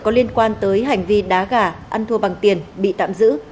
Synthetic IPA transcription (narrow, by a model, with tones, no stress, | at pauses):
kɔ˨˦li˧ənkwaː˧nt̪əː˨˦jɦa˨˩jŋ̟vi˧ɗaː˨˦ɣaː˧˩ʔa˧nt̪ʰu˧əɓa˨˩ŋt̪i˨˩ənɓḭ˧˨t̪a̰ː˧˨mzɨ̰˧˥